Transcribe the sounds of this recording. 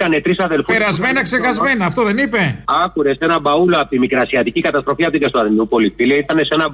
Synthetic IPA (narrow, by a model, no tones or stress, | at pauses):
t̪ɐne̞t̪ɾisɐðe̞lfupeɾɐzmenɐkseɣɐzmme̞nɐːft̪o̞ðe̞nipe̞ɐkuɾe̞se̞nɐbɐuloɐpot̪imikɾɐsiɐt̪icikɐt̪ɐst̪ɾo̞fiɐpot̪iɡɐst̪uɐðniupo̞lifileit̪ɐne̞se̞nɐ